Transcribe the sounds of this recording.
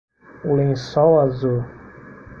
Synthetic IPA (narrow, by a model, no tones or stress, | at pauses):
ulẽsɔwazu